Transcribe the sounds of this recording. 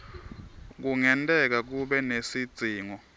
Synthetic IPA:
k̬uŋɛntʼɛk̬ak̬uɓɛnesid̥d͡z̥ʱiːŋɔ

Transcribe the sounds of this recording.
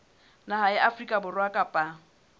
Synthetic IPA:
nahaɪʔafrikʼabʊrwakʼapʼa

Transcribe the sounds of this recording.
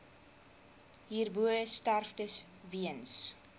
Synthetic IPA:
ɦiːrbuəəstærfdəs | viəns

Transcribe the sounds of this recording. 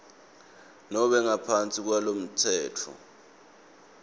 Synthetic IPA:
nɔɓɛŋapʰant͡sʼik̬walom̩tʰɛːtʰɔ̰

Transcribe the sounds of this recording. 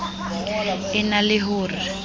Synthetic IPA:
ɪnalɪɦʊːrɪ

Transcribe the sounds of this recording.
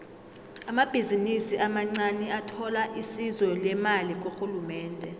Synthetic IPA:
amab̥ʱizinisiʔamaŋ͡ǀanɛatʰɔlaʔisizɔlɛmalik̬oxulumɛːndʱɛ

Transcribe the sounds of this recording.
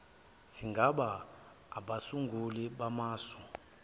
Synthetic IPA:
siŋɡʱaɓaː | ɓasuŋɡʱuliɓamaːsɔ̥

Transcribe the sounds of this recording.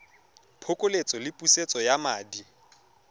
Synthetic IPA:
pʰokʼolet͡sʼɔlɪpʼuset͡sʼɔjamaːdi

